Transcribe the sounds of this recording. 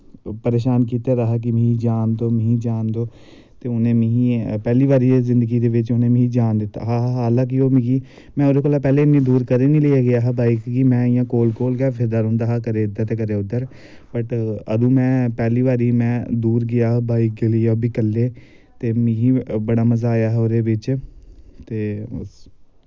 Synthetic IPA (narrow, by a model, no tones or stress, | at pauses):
pəɾeːʃaːnkiːt̪aːɾaːɦaːk̬ɪmĩd͡ʒaːnd̪oːmĩd͡ʒaːnd̪oː | t̪eːʊnẽːmĩːĩpɛːliːʋaːɾiːezɪnd̪əɡiːd̪eːʋɪt͡ʃʊnẽːm̃ːd͡ʒaːnd̪ɪt̪ːa̰ːɦaːaːlãːk̬ioːmĩːɡiː | mɛ̃ːoɾeːkoːlaːpɛːleːɪnːĩːd̪uːɾkəɾeːnĩːləaːɡɪjaːɦabaːikɡimɛ̃ːɪjãːkoːlkoːlɡɛːpʰɪɾd̪aːɾɦʊ̃ːnd̪aːɦaːkəɾeːʊd̪əɾt̪eːkəɾeːʊd̪ːəɾ | pəʈəd̪ũːmɛ̃ːpɛːliːʋaːɾiːmɛ̃ːd̪uːɾɡɪjaːɦbaːik̚eləːoːbiːkəlːeː | t̪eːmĩːɦiːbəɽaːməzaːjaːɦɛoːɾeːʋɪt͡ʃ | t̪eːs